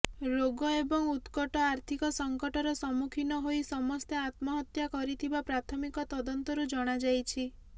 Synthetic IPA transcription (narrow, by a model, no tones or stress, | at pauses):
ɾoɡɔebɔŋut̪kɔʈɔaɾt̪ʰikɔsɔŋkɔʈɔɾɔsɔmukʰinɔɦojsɔmɔst̪eat̪mɔɦɔt̪jakɔɾit̪ʰibapɾat̪ʰɔmikɔt̪ɔd̪ɔnt̪ɔɾud͡ʒɔɽ̃ad͡ʒajt͡ʃʰi